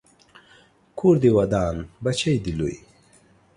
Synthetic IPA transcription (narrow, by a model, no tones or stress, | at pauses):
kʰuɾd̪iwɐd̪aːnbɐt͡ɕɐjd̪ilṵj